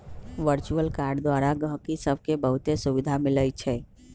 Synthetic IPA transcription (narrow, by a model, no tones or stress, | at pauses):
ʋəɾt͡ʃuəlkaɾɖd̪ʋaɾaɡəɦkisəbʱkebəɦut̪esuʋid̪ʱamɪləjt͡ʃʰɛ